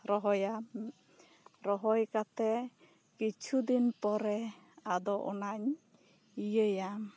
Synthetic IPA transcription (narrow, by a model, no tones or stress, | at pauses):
ɾɔɦɔjam | ɾɔɦɔjkat̪ɛ | kit͡ʃʰud̪inpɔɾɛ | ad̪ɔʔɔ̰naɲ | ijəjam